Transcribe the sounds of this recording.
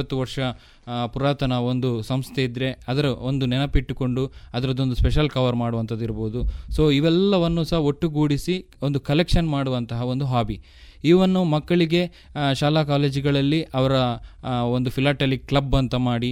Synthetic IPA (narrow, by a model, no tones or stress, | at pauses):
ɐt̪ːuʋɐɾʂɐ | puɾaːt̪ɐnɐo̞nd̪usɐmst̪ʰe̞id̪ɾe̞ɐd̪ɐɾɐond̪unɛnɐpiʈːko̞ɳɖuɐd̪ɐɾɐd̪o̞nd̪uspeʃɐlkɐʋɐɾmaːɽuʋɐnt̪ɐd̪ːiɾɐboud̪usoːiʋɛlːɐʋɐnːusɐɦɐo̞ʈːuɡuːɽisi | o̞nd̪ukɐlekʂɐnmaːɽuʋɐnt̪ɐɦɐo̞nd̪uɦaːbi | iːʋɐnːumɐkːɐɭiɡe̞ | ʃaːlaːkaːleːd͡ʒiɡɐɭɐlːiʔɐʋɐɾɐond̪upʰilaːʈelikːlɐbɐnt̪ɐmaːɽi